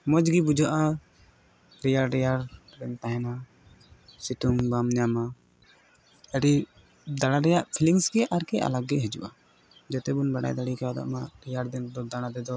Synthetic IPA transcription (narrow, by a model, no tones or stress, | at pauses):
mɔd͡ʒɡibud͡ʒʱaʔa | ɾijaɽɾɛjaɾɾɛnt̪aɦɛna | siʈuŋbamɲama | ɛɽi | d̪aɽ̃aɾɛjaʔpʰiliŋsɡɛʔaɾkɛʔa̰laɡɡɛɦɛd͡ʒṵʔa | d͡ʒɛt̪ɛbunbaɽa̰jd̪aɽikɛad̪a̰ʔmaɾijaɾd̪ɛnd̪ɔd̪aɽ̃ad̪ɛd̪ɔ